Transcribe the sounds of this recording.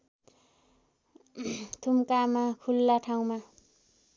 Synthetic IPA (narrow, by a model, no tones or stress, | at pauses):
t̪ʰumkamakʰulːaʈʰaw̃ma